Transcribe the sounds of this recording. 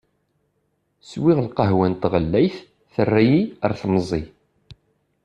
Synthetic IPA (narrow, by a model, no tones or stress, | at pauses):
swiʁlqəɦwænt̪ʁəlːæjθ | θərːæjiəɾθmzˤːi